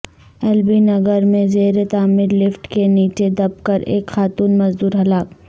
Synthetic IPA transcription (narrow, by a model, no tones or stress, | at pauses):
ɛːlbinɐɡəɾmẽzeːɾet̪aːmɪɾlɪfʈkeniːt͡ʃed̪ɐb̚kɐɾeːkxaːt̪uːnmɐzd̪uːɾɦɐlaːk